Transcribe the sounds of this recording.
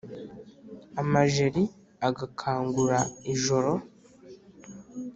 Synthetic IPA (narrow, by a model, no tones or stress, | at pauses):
amaʒeɾi | aɡakʰaːŋɡuɾaiʒo̞ɾo̞